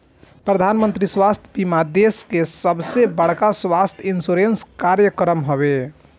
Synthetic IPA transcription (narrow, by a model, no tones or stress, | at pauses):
pɾəd̪ʱanmə̃nt̪ɾiswast̪ʰbimad̪eskesəbsebəɽ̤kaswast̪ʰinsuɾenskaɾjəkɾəmɦobe